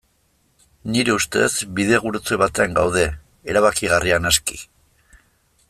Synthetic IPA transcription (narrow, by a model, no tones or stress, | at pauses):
niɾe̞ust̪e̞̰zbiðe̞ɣ̞uɾut͡se̞βat̪e̞aŋɡawð̞e̞ | eɾaβakiɣ̞arianaski̥̰